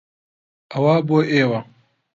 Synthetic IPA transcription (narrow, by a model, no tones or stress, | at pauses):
ʔawaːboːʔeːwa